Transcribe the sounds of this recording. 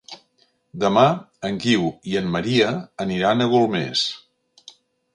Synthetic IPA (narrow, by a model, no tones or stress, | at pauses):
d̪əma | əŋkiwiənːəɾiəːniɾanəɣulˠmḛs